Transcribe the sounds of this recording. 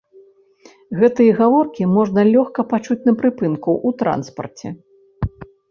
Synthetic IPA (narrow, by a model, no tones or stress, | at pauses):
ɣɛt̪ɨjɐɣavɔrkʲimɔʐnɐlʲɔxkɐpat͡ʂut͡sʲnɐpɾɨpɨnkɐwʔut̪ɾa̰nspɐ̰rt͡sʲɛ̰